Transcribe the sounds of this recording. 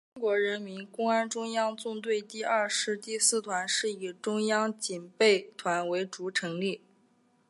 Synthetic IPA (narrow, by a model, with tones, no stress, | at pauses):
ʈ͡ʂʊ˥ŋkwɔ˧˥ɻə˧˥nmi˧˥nkʊ˥ŋa˥nʈ͡ʂʊ˥ŋjɑ˥ŋt͡sʊ˥˧ŋt̪̬we˥˧ɪt̪i˥˧ɐ˥˧ʂɻ̩˥˧t̪i˥˧sɹ̩˥˩t̪ʰwa˧˥nʂɻ̩˥˩i˨˩ʈ͡ʂʊ˥ŋjɑ˥ŋt͡ɕi˨˩npe˥˩ɪt̪ʰwa˧˥nwe˧˥ɪʈ͡ʂu˧˥ʈ͡ʂʰɤ˧˥ŋli˥˩